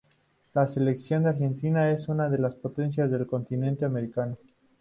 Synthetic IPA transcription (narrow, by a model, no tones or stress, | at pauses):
lase̞le̞ksjond̪eaɾxe̞nt̪inae̞sunaðelaspo̞t̪e̞nsjazðe̞lko̞nt̪inẽ̞nt̪eame̞ɾikano